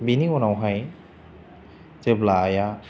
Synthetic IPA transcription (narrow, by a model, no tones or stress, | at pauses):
biniɔnawɦaj | zeblaːja